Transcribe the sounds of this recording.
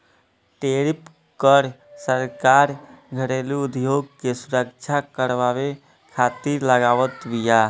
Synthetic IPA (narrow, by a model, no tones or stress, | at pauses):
ʈeɾip | kəɾsəɾkaɾɡʱəɾeliʊd̪ʱjoɡ̚kesuɾəkt͡ʃʰakəɾʋaʋe | kʰat̪iɾləɡaːʋət̪bija